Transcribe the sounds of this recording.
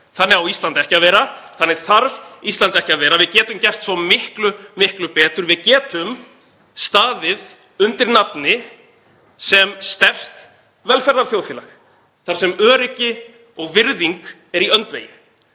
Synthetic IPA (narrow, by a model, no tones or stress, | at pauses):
θanːɛɾawist̪lant̪ɛhcaðvɛːɾaθanːɪɾ̥θaɾvist̪lant̪ɛhcɪaðvɛːɾavɪðcɛːt̪ʏmcɛr̥t̪svɔmɪhklʏmɪhklʏpɛːt̪ʏɾvɪðcɛːt̪ʏm | st̪aːðɪð | ʏnt̪ɪɾnapnɪ | sɛmst̪ɛr̥t̪ | vɛlfɛɾðaɾ̥θjowθiːlax | θaɾ̥sɛmœːɾɪcɪ | ɔɣvɪɾðiŋk | ɛɾiœnt̪vḛjɪ